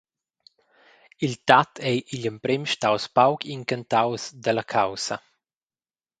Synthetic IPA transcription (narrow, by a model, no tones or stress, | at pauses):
ilt̪at̪ʰɛjʔiʎəmpɾɛmʃtawspawkʰiŋkant̪awsd̪əlakʰawsɐ